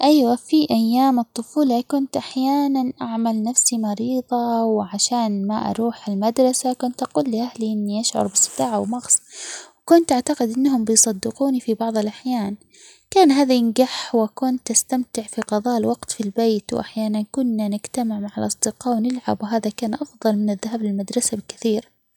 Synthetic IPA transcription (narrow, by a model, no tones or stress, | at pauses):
ʔajwafiʔajːaːmɨt̪ˤːʊfuːlɑkʊnt̪ʔaħjaːnanʔaʕmalnafsimɑɾiːðˤɑwʕaʃaːnmaʔɑ̰ɾˤuːħɪlmad̪ɾˤɑsakʊnt̪ʔaquːlːiʔahliʔɪnːiʔaʃʕʊ̰ɾˤbɪsˤːɨ̥d̪aːʕawmɑɣsˤwkʊnt̪ʔaʕt̪aqɪd̪ʔɪnːɦʊmbɪjsˤɑd̪ːɪquːnifibɑʕðˤɪlʔaħjaːn | kaːnɦaːðajɪnɡaħwakʊnt̪ʔast̪amt̪ɪʕfiqɑðˤɑːʔɪlwɑɡt̪filbeːt̪wʔa̰ħjaːnankʊnːanɪɡt̪amɪʕmaʕalʔɑsˤd̪ɪqɑːwnɪlʕabwɦaːðakaːnʔɑfðˤɑlmɪnɪðːaɦaːblɪlmad̪ɾˤɑsabɪkɪθiːɾ